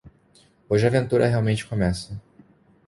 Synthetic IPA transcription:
oʒɪavẽnt̪uɾɐɦeawmẽnt͡ʃɪ̥kõmɛsɐ

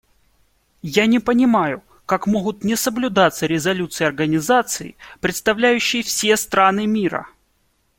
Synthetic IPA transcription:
janʲɪpənʲɪmajʊ | kakmoɣʊt̪nʲɪsəblʲʊd̪at̪səɾʲɪzɐlʲut̪sɨjɐrɡənʲɪzat̪sɨɪ̰pɾʲɪt̪st̪ɐvlʲæjʉɕːɪjəfsʲest̪ɾanɨmʲiɾə̰

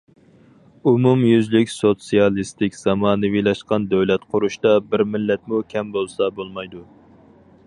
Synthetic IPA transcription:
umumjyzlɪkʲsot̪sijɑlˠist̪ɪkʲz̥ɑmɑːnɨwilˠɑʃqɑnd̪øwlɛt̪qʰʊɾuʃt̪ɑbɪɾmɪlːɛt̪̚mukʲʰɛmbolˠsɑbolˠmɑjd̪u

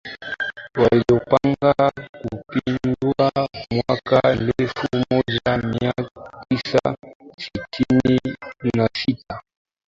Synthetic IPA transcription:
waliɔpaŋɡakupindwamwakaɛlɛfumɔd͡ʒamiatisasitʰininasita

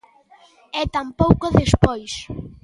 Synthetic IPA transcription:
ɛt̪ampowkoðespojs

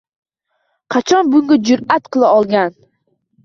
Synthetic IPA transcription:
qʰɑt͡ʃʰɒnbʊŋɡʲad͡ʒʊɾat̪qʰɨlˠaɒlˠɡʲan

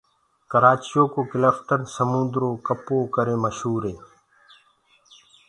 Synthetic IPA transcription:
kɐɾaːt͡ɕijoːkoːkilɐfʈəɾsəmũnd̪ɾoːkɐpoːkəɾeːməɕɦuːɾeː

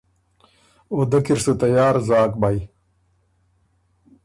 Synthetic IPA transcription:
od̪ɐkiɾsɨt̪ɐjaːɾzaːkbaj

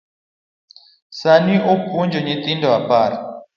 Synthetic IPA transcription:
saniʔopund͡ʒɔɲet̪indɔapaːɾa

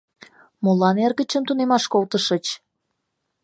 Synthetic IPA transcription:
molɑnerɣət͡ɕəmt̪unemɑʃkolt̪əʃət͡ɕ

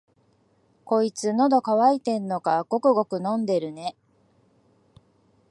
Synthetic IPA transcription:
ko̞it͡sɨno̞d̪o̞kaβait̪e̞nːo̞kaɡo̞kɯ̟ɡo̞kɯ̟nõ̞nd̪e̞ɾɯ̟ne̞

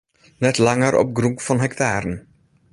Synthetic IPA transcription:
nɛt̪laŋəɾʔɔ̰p̚ɡɾuŋkfɔnɦɛkt̪ʰaːɾən

